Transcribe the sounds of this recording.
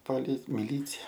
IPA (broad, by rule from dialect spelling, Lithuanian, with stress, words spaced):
poːˈlʲɪ mʲɪˈlʲiːt͡sʲɛ